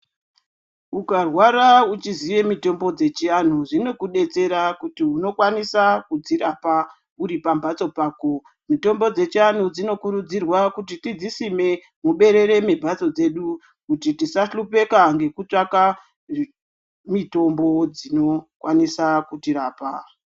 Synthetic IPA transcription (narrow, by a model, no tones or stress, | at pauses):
ukarwaɾaut͡ʃiziʋe̞mito̞mbo̞d͡ze̞t͡ʃian̤uʐino̞kuɗe̞t͡se̞ɾakutiuno̞kwanisakud͡ziɾapa | uɾipambat͡so̞paːko̞ | mito̞mbo̞d͡ze̞t͡ʃian̤ud͡zino̞kuɾud͡zirwakutitid͡zisime̞ | muɓe̞ɾe̞ɾe̞mibʱat͡so̞d͡ze̞ɗu | kutitisaɬupe̞kaŋɡe̞kut͡ʂaka | mito̞mbo̞d͡zino̞kwʔanisakutiɾaːpa